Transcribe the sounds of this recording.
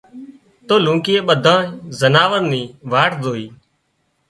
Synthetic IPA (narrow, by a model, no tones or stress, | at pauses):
t̪oːlũːkɪeːɓəd̪ʱãːzənaːʋəɾniːʋaːʈʰd̪oːiː